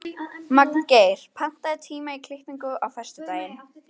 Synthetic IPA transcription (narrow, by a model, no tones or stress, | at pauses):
maknkeːjɾ̥pʰan̥t̪aðɪt̪ʰiːmaikʰlɪhniŋkʏʔawfɛ̥st̪ɪt̪aːjɪn